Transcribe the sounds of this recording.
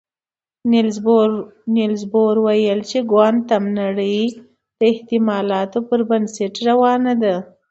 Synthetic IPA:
n | nelzboɾwajəlt͡ʃeɡwand̪̚t̪ːamnaɽə | d̪̥əɪht̪ɪmɑlɑt̪opəɾbanseʈɾawɑnad̪a

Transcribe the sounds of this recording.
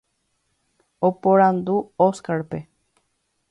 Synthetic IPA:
opoɾand̪uoskaɾpe

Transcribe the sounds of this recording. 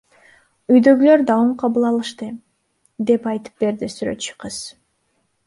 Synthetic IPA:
yjd̪ø̞ɡylø̞ɾd̪ɑwɯɴqʰɑβɯlˠɑlˠɯʃt̪ɯ | d̪e̞pɑjt̪ɯ̥p̚be̞ɾd̪isyɾø̞̰t̪t͡ʃy̥qʰɯz̥

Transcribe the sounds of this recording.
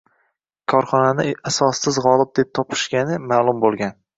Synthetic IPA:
kʰɒɾχɒnanɪasɒsːɪzʁɒlˠɪp̚d̪e̞p̚t̪ʰɒpʰɪ̥ʃɡʲanɪmaːlˠʊmbolˠɡʲan

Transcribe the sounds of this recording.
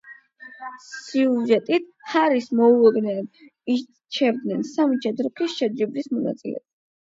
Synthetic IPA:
siuʒɛt̪ʼit̪̚ʰhaɾismɔulˠɔd̪nɛi | t͡ʃʰɛvd̪nɛnsamit͡ʃʰʼɛd̪ɾɔkʰisʃɛd͡ʒibɾismɔna̰t̪sʼilɛ̰

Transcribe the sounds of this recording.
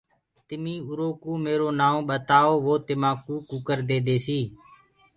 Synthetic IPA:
t̪ɪmĩːʊɾoːkuːmeːɾoːnaːõːɓət̪aːoːʋoːt̪ɪmãːkũːkuːkəɾd̪eːd̪eːsiː

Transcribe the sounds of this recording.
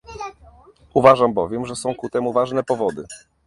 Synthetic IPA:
uvaʐambɔvʲjɛmʐɛsɔ̃w̃kut̪ɛmuvaʐnɛpɔvɔd̪ɘ

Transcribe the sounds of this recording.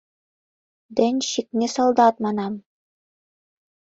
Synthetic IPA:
d̪ɘnʲʃiknɘsɑlˠd̪ɑt̪̚mɑnɑm

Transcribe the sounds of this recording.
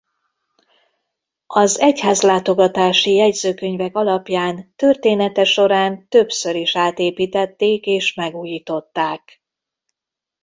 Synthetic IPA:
ɒzɛchaːzlaːt̪o̞ɡɒt̪aːʃijɛɟzøːkøɲvɛkɒlɒpjaːnt̪ørt̪eːnɛt̪ɛʃo̞ɾaːnt̪ø̞bsø̞ɾiʃaːt̪eːpiːt̪ɛt̪ːeːkeːʃmɛɡuːjiːt̪o̞t̪ːaːk

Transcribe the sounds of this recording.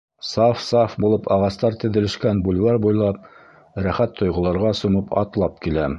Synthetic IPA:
sɑfsɑfbulˠɤpɑʁɑst̪ɑɾt̪ɘ̆ðɘ̆lɘ̆ʃkænbulʲwɑɾbujlˠɑp̚ | ɾæχæt̪ʰːŏjʁŏlˠɑɾʁɑsumɤpɑ̰t̪lˠɑp̚kilæ

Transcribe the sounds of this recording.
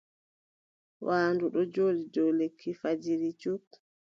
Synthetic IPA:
wʔaːnduɗɔd͡ʒoːdidɔwlekʰːifad͡ʒiɾit͡ʃuk

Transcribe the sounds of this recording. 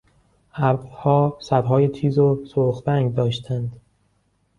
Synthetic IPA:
ʔæɾbhɒːsæd̪ɦɒːjet̪ʰiːzosoɾxbæŋɡd̪ɒːʃt̪ʰænd̪

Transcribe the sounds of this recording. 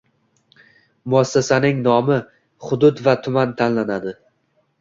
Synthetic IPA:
mʊasːasanɪŋnɒmɪ | χʊd̪ʊt̪vat̪ʰʊmant̪ʰanlanad̪ɪ

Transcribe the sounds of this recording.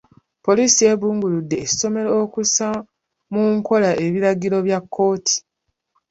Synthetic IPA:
po̞lisie̞βuːŋɡuludːe̞̥ːso̞me̞lookusa | muŋko̞laʔe̞βiɾaɡiɾo̞βjakʰːo̞ːtʰi̥

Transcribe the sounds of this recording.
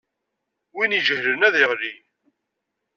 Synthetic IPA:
winiʒəhɾənæðeʁli

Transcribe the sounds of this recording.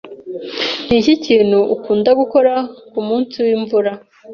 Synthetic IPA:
n̥iciciːnhuʔːkuːndaɡuko̞ɾakumuːnsiwiːɱvuɾa

